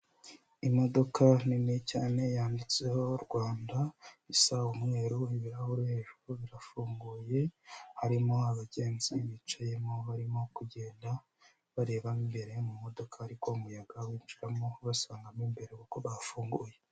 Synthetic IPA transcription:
imo̞do̞kʰaninicaːne̞jaːndit͡se̞ho̞ɾɡwaːndaisaumŋe̞ːɾuiβiɾahuɾihe̞ʒuɾuβiɾafuːŋɡuje̞haɾimo̞aβaɟe̞ːnziβiːt͡ʃaje̞moβaɾimo̞kuɟe̞ːnda | βaɾe̞ːβamimbe̞ɾe̞mumo̞do̞kʰahaɾiko̞umujaɡawiːnd͡ʒiɾamoβasaːŋɡamimbe̞ɾe̞kukoβafuːŋɡuːje

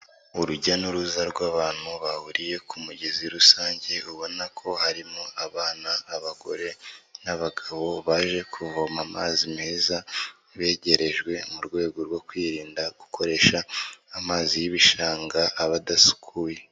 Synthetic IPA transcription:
uɾuɟanuɾuzaɾɡwaːβaːn̥huβahuɾije̞kʰumuɟeziɾusaːɲɟe̞uβo̞nakʰo̞haɾimoaβaːnaːβaɡ̥o̞̰ɾe̞naβaɡaβo̞βaʒe̞kʰuvomama̰ːzimeːza | βe̞ːɟe̞ɾe̞ʒɡwe̞muɾɡwe̞ːɡo̞ɾɡwo̞kwiːɾiːndaɡ̥uko̞ɾe̞ːʃaːmaːzijiβiʃaːŋɡaːβadasu̥kʰuːje̞

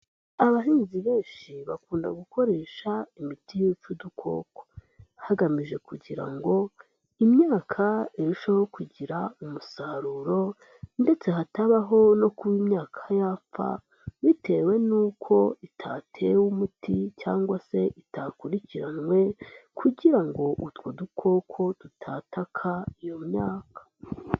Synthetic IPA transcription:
aβaɦiːnziβe̞ːnʃiβakuːnda̰ɡuko̞ɾe̞ʃaimitijut͡ʃudukʰo̞̰ːko̥ | haɡamiʒe̞kuɟiɾa̰ŋɡo̞ | imɲaːkʰaeɾuʃaho̞kuɟiɾaumusaɾuɾo̞ | nde̞t͡se̞ɦataβaɦo̞no̞kuwimɲaːkʰajafa̰ | βite̞we̞nuːkʰo̞itʰa̰tʰewumuticaːŋɡwase̞ʔitakuɾiciɾanŋwe̞kʰuɟiɾaŋɡo̞ʔutwodukʰo̞ːkʰo̞d̥utʰaːtakʰaijo̞mɲaːkʰḁ

